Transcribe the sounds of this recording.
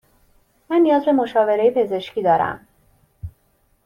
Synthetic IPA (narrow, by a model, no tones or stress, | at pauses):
mænːijɒːzbe̞mo̞ʃɒːve̞ɾejepʰe̞ze̞ʃcʰiːd̪ɒːɾæ̰m